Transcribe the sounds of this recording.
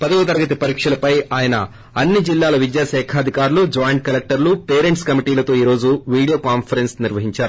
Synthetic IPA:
pɐd̪ɐɡut̪̬ɐɾɐɡɐt̪ipɐɾiːkʂɐlɐpɐjaːjɐnɐ̰ | ɐnːid͡ʒilːaːlɐʋid̪jaːʃɛːkʰaːɐd̪ʱikaːɾulud͡ʒaːjɐɳʈ̚kɐlek̚ʈɐɾlupɛːɾeɳʈskɐmiʈiːlɐt̪o̞ːiːɾo̞ːd͡ʒuʋiːɽijoːkaːnpʰɐɾensniɾʋɐɦiɲt͡ʃaːɾu

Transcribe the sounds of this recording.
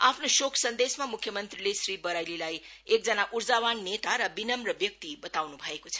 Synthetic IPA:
apʰnoʃokʰsʌnd̪esmamukʰjʌmʌnt̪rilesɾibʌɾajlilaj | ek̚d͡zʌnaʔuɾd͡zawanːet̪aɾʌbinʌmrʌbjʌk̚t̪ibʌt̪awnubʱʌekot͡sʰʌ̥

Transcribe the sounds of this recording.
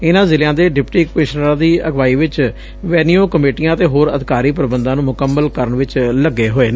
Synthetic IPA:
ɪnãːzɪljãːd̪eːɖɪpʈiːkeːʃnɾãːd̪iːəɡʋaːiːʋɪt͡ʃ | ʋɛːnijoːkəmeːʈijãːt̪eːɦoːɾə̰d̪ɪkaːɾiːp̬əɾəbənd̪ãːnũːmʊkəmːəlkəɾəɳʋɪt͡ʃləɡːeːɦoːeːnː

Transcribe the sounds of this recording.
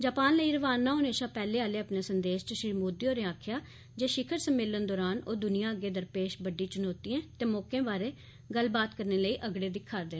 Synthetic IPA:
d͡ʒaːpaːnləiːɾəʋaːnːãːʊneːʃaːpɛːleːaːleːəpneːsənd̪eːʃt͡ʃəʃɾiːmoːd̪ijoːɾeːaːkʰjaː | d͡ʒeːʃɪkʰəɾsəmːɪːlːənd̪ɔːɾaːnoːd̪ʊnɪjãːəɡːeːd̪əɾpeːʃbəɖːiːt͡ʃʊnoːt̪iɛ̃ːt̪eːmoːkẽːbaːɾeː | ɡəlbaːt̪kəɾneːləiːʔəɡɽeːd̪ɪkʰːaɾd̪ẽː

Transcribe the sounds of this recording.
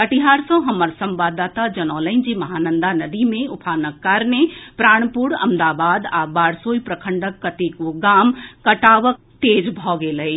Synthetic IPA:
kɐʈiɦaːɾsɔ̃ɦɐməɾsɐ̃mbaːd̪aːt̪ad͡ʒɐnɔːlə̃ɪ̃nd͡ʑimɐɦaːnə̃nd̪anɐd̪imẽʊpʰaːnəkːaːɾnepɾaːɽ̃pʊɽɐ̰md̪aːbaːd̪abaːɽsoːipɾɐkʰə̃ɳɖəkːɐt̪ekoɡaːmkɐʈaːʋək̚t̪eːd͡ʑbʱɔːɡelɐe

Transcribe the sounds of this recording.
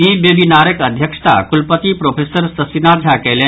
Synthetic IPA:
iːbjebinaːɾəkəd̪ʱjəkʂə̥t̪a̰kulpət̪ipɾoːfʰeːsəɾsɐsinaːd͡zʱakelẽ

